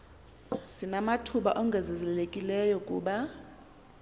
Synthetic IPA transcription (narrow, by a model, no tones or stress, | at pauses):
sinamatʰuɓaʔɔŋɡʱɛzɛzɛlekʼilɛjɔkʼṵːɓa